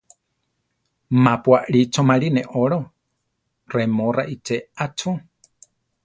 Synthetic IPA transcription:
mãpwaʔɾit͡ʃomãɾinẽʔoɾo | remõraʔit͡ʃeat͡ʃu

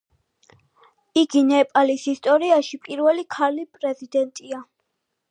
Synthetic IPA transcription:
iɡinɛpʼalisist̪ʼɔɾiaʃipʼiɾvɛlikʰaɾlipʼɾɛzid̪ɛnt̪ʼia

